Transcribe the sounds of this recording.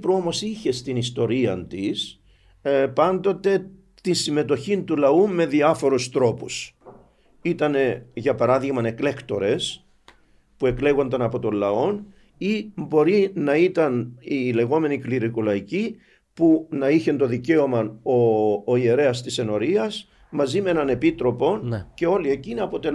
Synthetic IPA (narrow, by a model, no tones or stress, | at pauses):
pɾuomo̞siçe̞st̪inist̪o̞ɾiɐnt̪is | pɐnd̪o̞t̪e̞ | t̪insime̞t̪o̞çint̪ulɐumːe̞ðiɐfo̞ɾust̪ɾo̞pus | it̪ɐne̞ʝɐpɐɾɐðiɣmɐne̞klekt̪o̞ɾe̞s | pue̞kle̞ɣo̞nd̪ɐnɐpo̞t̪o̞lɐo̞n | imbo̞ɾinɐit̪ɐnile̞ɣo̞me̞nikliɾikulɐici | punɐiçe̞nt̪o̞ðice̞o̞mɐnoːie̞ɾe̞ɐst̪ise̞no̞ɾiɐs | mɐzimenɐne̞pit̪ɾo̞po̞nce̞o̞lie̞ciniɐpo̞t̪e̞l